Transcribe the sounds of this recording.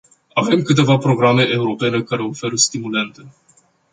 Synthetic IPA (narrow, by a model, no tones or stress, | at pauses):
ave̞mkɨt̪e̞vapɾo̞ɡɾame̞ʔe̞uɾo̞pe̞ne̞kaɾe̞o̞fe̞ɾəst̪imule̞nt̪e